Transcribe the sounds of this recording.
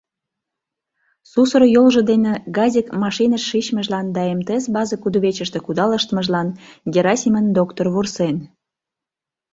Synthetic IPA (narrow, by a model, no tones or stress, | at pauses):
susərjolʒə̆d̪enĕɡɑzʲikmɑʃinəʃːit͡ɕməʒlɑnd̪ɑemt̪eesbɑzəkud̪uβet͡ɕəʃt̪ĕkud̪ɑləʃt̪əmə̆ʒlɑnɡʲeɾɑsʲimənd̪okt̪orβursen